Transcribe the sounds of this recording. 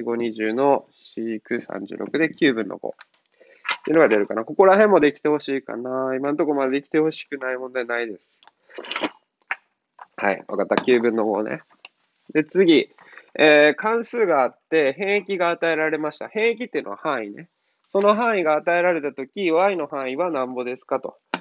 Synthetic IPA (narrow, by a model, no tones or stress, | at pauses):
iɡo̞ɲ̟iʑɨːno̞ɕikɯ̟sã̰ɲ̟d͡ʑɨ̰ːɾo̞̰kɯ̟d̪e̞kʲɨːbɯ̟̃nːo̰ɡo̰ | t | t̪ːeiɯ̟noɡad̪eɾɯ̟kanako̞ko̞ɾaɦẽ̞mːo̞d̪e̞kʲi̥t̪e̞ho̞ɕiːka̰naimãnt̪o̞ko̞mad̪d̪ekʲi̥t̪e̞ho̞ɕi̥kɯ̟naimõnd̪anaid̪e̞sɨ̥ | ha̰ḭβa̰kat̪ːakʲɨːbɯ̟̃nːo̞ɡo̞̰nḛ | d̪e̞t͡sɨɡʲi | eːkãɰ̃sɨːɡaːt̪ːe̞ɦẽ̞ɰ̃ekʲiɡaːt̪ae̞ɾaɾe̞maɕi̥t̪a̰hẽ̞ɰ̃ek̬ʲi̥t̪ːeiɯ̟no̞a̰hãɰ̃ine | so̞no̞ɦãɰ̃iɡaːt̪ae̞ɾaɾe̞t̪at̪o̞kʲiβaino̞hãɰ̃iβanãmbo̞d̪e̞sɨ̥kat̪o̞̰